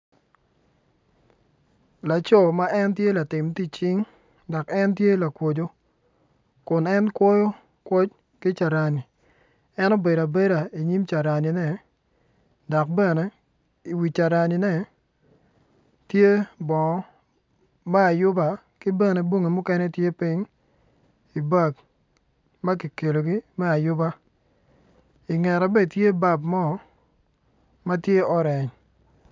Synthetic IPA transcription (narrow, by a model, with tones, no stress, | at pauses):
la˨t͡ʃɔ˦˨ma˦ʔɛ˦ntje˦la˨tɪ˨mti˦t͡ʃi˦ŋ | dɔ˨kɛ˦ntje˦la˨kwo˨d͡ʒo˦ | kʊ˨nɛ˦nkwɔ˦jo˦ | kwɔ˦t͡ʃ | kɪ˦t͡ʃa˨ɾa˨ni˨ | ɛ˦no˦be˨ɾa˨be˦ɾa˨i˨ɲi˦mt͡ʃa˨ɾa˨ni˨nɛ˨ | dɔ˨k̚bɛ˦nɛ˦ | i˨wi˨t͡ʃa˨ɾa˨ni˨nɛ˦˨ | tje˦bɔ˨ŋɔ˨˦ | mɛ˦a˨jʊ˦ba˦ | kɪ˦bɛ˦nɛ˨bwo˦ŋi˨mʊ˦kɛ˦nɛ˦tje˦pi˦ŋ | i˨ba˦˨k | ma˦ki˨ke˨lo˨ɡi˦mɛ˦a˨jʊ˦ba˦ | i˨ŋɛ˨ɾa˨bɛ˦˨tje˦ba˦bmɔ˦˨˦ | ma˦tje˦ɔ˦ɾɛ˨ɲ